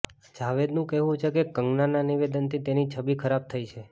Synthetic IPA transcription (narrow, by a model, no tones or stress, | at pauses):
d͡ʒaʋed̪nũkɛɦũt͡ʃʰekekəŋɡnananiʋed̪ənt̪ʰit̪enit͡ʃʰəbikʰəɾab̚t̪ʰəit͡ʃʰe